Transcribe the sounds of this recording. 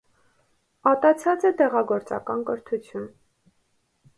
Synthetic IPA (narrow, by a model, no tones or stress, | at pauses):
ɑt̪ɑt͡sʰɑt͡sɛt̪ɛʁɑɡɔɾt͡sɑ̰kɑnkəɾt̪ʰut͡sʰjun